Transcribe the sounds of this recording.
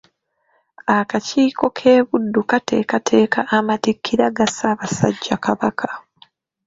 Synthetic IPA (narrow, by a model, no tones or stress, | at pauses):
akaciːko̞kʰe̞ːβudːukate̞̰katʰe̞ːkaʔamatikʰːiɾaɡasaβasa̰ɟːakaβakʰḁ